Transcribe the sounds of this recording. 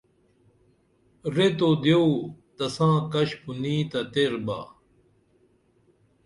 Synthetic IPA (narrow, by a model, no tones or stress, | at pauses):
ɾet̪od̪jewt̪ɐsãːkɐɕpunĩːt̪ɐt̪eɾba̰ː